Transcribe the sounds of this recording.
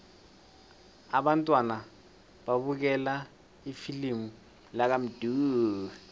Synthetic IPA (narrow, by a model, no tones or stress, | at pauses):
aɓantʼwana | ɓaɓuk̬ɛla | ifilimu | lak̬am̩d̥ʱuː